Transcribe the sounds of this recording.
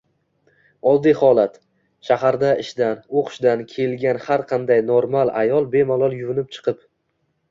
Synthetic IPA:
ɒlˠd̪ihɒlat̪ | ʃahaɾd̪aɪʃd̪anoqʰʃd̪ankʲʰe̞lɡʲanhaɾqʰɑnd̪ajnoɾmalˠa̰jɒlˠbe̞malˠɒlˠjʊvɪnɪp̚t͡ʃʰɨ̥qʰɨp

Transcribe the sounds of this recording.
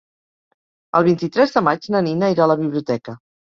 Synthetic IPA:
ə̰lˠβint̪it̪ɾɛzðəmad͡ʒnəninəiɾaləβiβliut̪ɛkə

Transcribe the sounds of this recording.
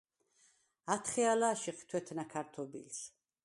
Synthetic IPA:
at̪ʰχɛalaːʃiχt̪ʰwɛt̪ʰnakʰaɾt̪ʰɔbḭls

